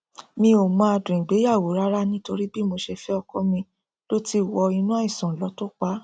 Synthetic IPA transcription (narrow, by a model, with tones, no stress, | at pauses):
mĩ˧o˨mã˧a˧dũ˨ɡ͡be˨˦ja˦˨wo˨˦ɾa˦ɾa˦nĩ˦to˧ɾi˦bi˦mo˧ʃɛ˧fɛ˦ɔ˧kɔ˦mĩ˧ | lo˦ti˦wɔ˧i˧nũ˦a˦ĩ˨sɔ̃˨lɔ˨˦to˦k͡pa˨˦